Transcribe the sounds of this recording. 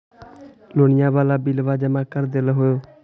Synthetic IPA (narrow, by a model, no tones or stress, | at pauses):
loːɳɪjãːʋaːlaːbilʋaːd͡ʒəmaːkəɾd̪elɦoːjoː